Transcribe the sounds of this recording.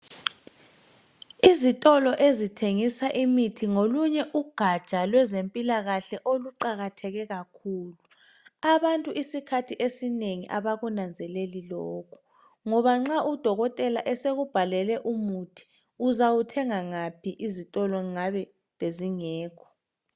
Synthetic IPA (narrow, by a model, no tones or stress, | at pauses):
izitʼɔlɔʔezitʰeŋisaʔimitʰiŋoluɲɛʔuɡ̥ʱad̥ʒ̥ʱalwɛzempʼilaɣaɬɛʔoluǃaɣatʰɛɣɛɣakʰuːlu | aβantʼuʔisikʰatʰiʔesineŋiʔa̰βaɣunand͡zʱɛlelilɔːkʰu̥ | ŋɔβaŋ͡ǁaʔud̥ʱɔɣɔtʼɛlaʔɛseɣub̥ʱalɛlɛʔumutʰi̥ | uzawutʰɛŋaŋapʰiʔizitʼɔlɔŋaβɛ | βeziŋɛːkʰɔ̥